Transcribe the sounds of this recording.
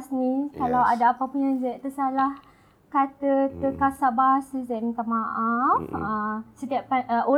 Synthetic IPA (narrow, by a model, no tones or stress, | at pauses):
sminskalawadaːpapunjãŋzɛʔt̪əsalah | kat̪ətəkasaʔbasəsɛʔmit̪amaʔafasət̪iaʔpao